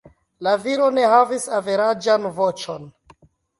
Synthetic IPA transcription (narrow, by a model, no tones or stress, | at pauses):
laviɾo̞ne̞havisave̞ɾad͡ʒanvo̞t͡ʃo̞n